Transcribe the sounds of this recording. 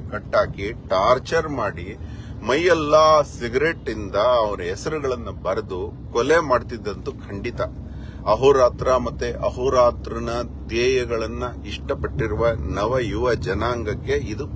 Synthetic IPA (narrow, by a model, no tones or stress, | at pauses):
kɐʈːaːkiʈaːɾt͡ʃɐɾmaːɽi | mɐjːɐlːaːsiɡɾeʈːind̪ɐɐʋɐɾɐɦɛsɐɾuɡɐɭɐnːɐbɐɾed̪ukɔlemaːɖt̪id̪ːɐnt̪ukʰɐɳɖit̪ɐ | ɐɦuɾaːt̪ɾɐmɐt̪ːuʔɐɦuɾaːt̪ɾɐnɐd̪ɛːjɐɡɐɭɐnːɐiʂʈɐpɐʈːiɾuʋɐnɐʋɐjuʋɐd͡ʒɐnaːŋɡɐkːe̞id̪u